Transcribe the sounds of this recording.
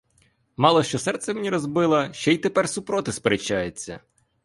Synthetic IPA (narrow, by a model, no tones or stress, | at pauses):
mɑlˠɔʃt͡ʃɔsɛrt̪sɛmenʲiɾɔzbɪlˠɐʃt͡ʃɔit̪epɛrsʊpɾɔt̪ɪspeɾet͡ʃːajet͡sʲːɐ̰